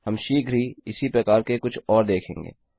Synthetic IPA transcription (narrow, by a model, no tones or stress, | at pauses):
ɦɐmʃiːɡʱɾiɪsipɾɐkaːɾkekʊt͡ʃʰɔːɾd̪eːkʰḛ̃ːŋɡḛː